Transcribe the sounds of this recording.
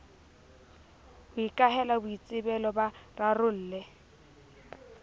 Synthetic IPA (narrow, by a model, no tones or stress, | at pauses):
bʊikʼaɦɛlabʊit͡sʼɪbɛlɔbararʊl̩ːlɛ